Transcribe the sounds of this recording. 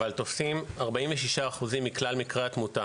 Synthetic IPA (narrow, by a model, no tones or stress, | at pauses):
alt̪o̞fsimaʁbaĩɱveʃiʃaːχuzimːiklalmikʁeatmuta